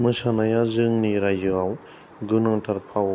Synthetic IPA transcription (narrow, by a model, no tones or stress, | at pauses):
mɯsanajazɯŋniɾajɯaw | ɡɯnɔŋtʰaɾpʰaw